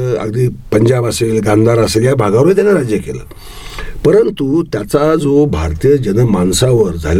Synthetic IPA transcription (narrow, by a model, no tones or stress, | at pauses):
ə̰ɡd̪iːpəɲd͡ʑabəselɡãnd̪ʱaɾəseːljabʱaɡaʋɾet̪janːaɾad͡ʑjəkelə̰ː | pəɾənt̪ut̪jat͡sad͡zobʱa̰ɾt̪ijəd͡ʑənəmansaʋəɾd͡zʱa̰l